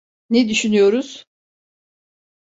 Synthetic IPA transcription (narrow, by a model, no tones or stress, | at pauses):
ned̪yʃynyjo̞ɾuz̥